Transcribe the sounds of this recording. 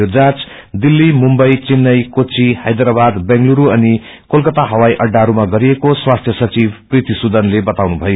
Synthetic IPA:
od͡zat͡s | d̪ilːimumbʌjt͡sinːʌjkot͡sʰihajd̪rabad̪bãŋɡluɾuʌni | kolkʌt̪aɦʌwajʔʌɖːaɾumaɡʌɾiekoswast̪ʰjʌsʌt͡sibprit̪isud̪ʱʌnlebʌt̪awnubʱʌjo

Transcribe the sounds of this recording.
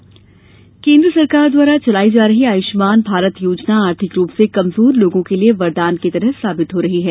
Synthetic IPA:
kẽːnd̪ɾəsɐɾkaːɾd̪waːɾat͡ʃɐlaːid͡ʒaːɾɐɦiaːjɪʃmaːnbʱaːɾət̪joːd͡ʒnaaːɾt̪ʰɪkɾuːpsekɐmzuːɾloːɡõkelieʋɐɾd̪aːnket̪ɐɾəɦsaːbɪt̪ɦoɾɐɦiɦɛː

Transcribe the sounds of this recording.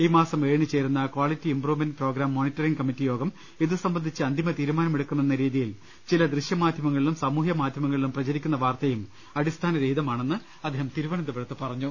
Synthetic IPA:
iːmaːsɐmʋeːɻɳit͡ɕːe̞ːɾunːɐkwaːlitːiimpruːʋmendproːɡɾaːmːo̞ːnitːɐriŋkɐmitːijo̞ːɡɐm | iðɨsɐmbɐnd̪ʱit͡ɕːɨɐnd̪ʱimɐt̪iːɾumaːnɐmeɽukːumenːɐɾiːðijil | t͡ɕilɐd̪riɕjɐmaːd̪ʱjɐmɐŋːɐɭilumsɐmuːɦjɐmaːd̪ʱjɐmɐŋːɐɭilumprɐt͡ɕɐɾikʲːunːɐʋaːrt̪ɐjum | ɐɽist̪ʰaːnɐɾejid̪ɐmaːɳe̞nːɨ | ɐd̪ʱːeːɦɐmt̪iɾuʋɐɳɐd̪ɐʋɐɾɐt̪ːɨpɐrɐɲːu

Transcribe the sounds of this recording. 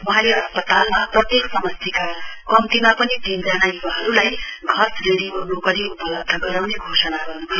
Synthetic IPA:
wʌɦãleʌspʌt̪almaprʌt̪jeksʌmʌst̪ʰikakʌmt̪imapʌnid̪ʱind͡zanajuwaɦʌɾulajɡʱʌsreɽiolokʌliupʌlʌb̚d̪ʱʌɡʌɾawneɡʱosʌnaɡʌrnukʰ

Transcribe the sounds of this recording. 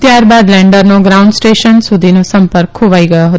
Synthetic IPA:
t̪jaːɾbaːd̪lɛ̃ɳɖəɾnõɡɾaʊ̃ɳɖsʈeʃənsud̪ʱinõsə̃mpəɾkʰoʋaːiɡəjoɦət̪

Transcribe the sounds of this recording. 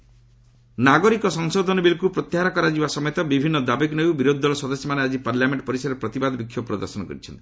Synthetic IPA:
naɡɔɾikɔsɔŋsod̪ʱɔnɔbilkupɾɔt̪jeɦaɾakɔɾad͡ʒibasɔmɔjɔt̪ɔbibʱinːɔd̪abeknewbiɾod̪ʱːɔlɔsɔd̪ɔsjɔmanead͡ʒipaɾljameɳʈɔpɔɾisaɾepɾɔt̪ibad̪ɔbikʰːjɔpɾɔd̪ɔɾsɔnɔkɔ̰ɾit͡ʃʰɔnt̪i̥

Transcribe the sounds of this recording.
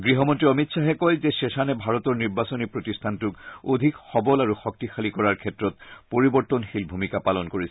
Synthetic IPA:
ɡɹiɦɔmɔntɹiɔmitsaɦɛkɔlzɛsesanɛbʱaɹɔt̪ɔɹniɹbasɔnipɹotistʰantukod̪ʱikxɔbɔlaɹuxɔk̚tixalikɔɹaɹkʰɛtɹɔt̪̚poɹibɔɹt̪ɔnxilbʱumikapalɔnkoɹisɛ

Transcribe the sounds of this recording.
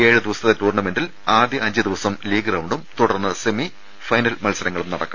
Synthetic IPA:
e̞ːɻɨd̪iʋɐsɐt̪ðetuːrnɐme̞nɖil | aːd̪jɐɐɲd͡ʑɨd̪iʋɐsɐmliːɡrɐwɳɖumt̪uɽɐrnːɨsemi | fɐjnɐlmɐlsɐɾɐŋːɐɭumnɐɽɐkːa

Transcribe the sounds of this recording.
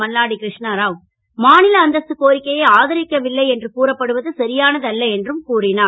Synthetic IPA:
ɐlːaːɽikɾɪʂɳaɾaːʋ | maːnɪlɐːnd̪ɐsɯkoːɾɪkːɐjɐaːðɐɾɪkːɐʋɪlːɐɪɛndrɯkuːɾɐpːɐɽɯʋɐðɯsɐɾɪjaːnɐðɐlːɐɛndrɯmkuːrɪnaː

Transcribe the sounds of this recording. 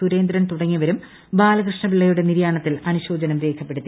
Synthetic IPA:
uɾe̞ːnd̪ɾɐnt̪uɽɐŋːiʋɐɾum | baːlɐkrɨʂɳɐpiɭːɐjuɽe̞niɾjaːɳɐt̪ːilɐnuɕo̞ːd͡ʑɐnɐmɾe̞ːkʰɐpːe̞ɽut̪ːi

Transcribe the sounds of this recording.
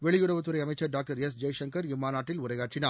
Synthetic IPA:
ʋɛɭɪjɯɽɐʋɐt̪ːɯɾɐɪɐmɐɪt͡ʃːɐɾɖaːk̚ʈɐɾɛs̬d͡ʒɐjʂɐŋkɐɾɪmːaːnaːʈːɪlʊɾɐɪɣaːʈrɪnaː

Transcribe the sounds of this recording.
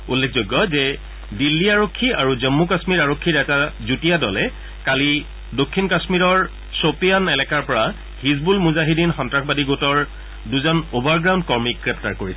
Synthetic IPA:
ulːek̚ʰzojɡjɔzɛ | dilːiaɹokʰːiaɹuzɔmːukasmiɹaɹokʰːiɹɛtazutijadɔlɛ | kali | dokʰːinkasmiɹɔɹ | sopijanɛlɛkaɹpɔɹa | hiz̬bulmuzaɦidinxɔntɹakʰbadiɡotɔɹ | duzɔnobaɹɡɹaw̃ndkɔɹmikɹɛp̚ta̰ɹkoɹisɛ

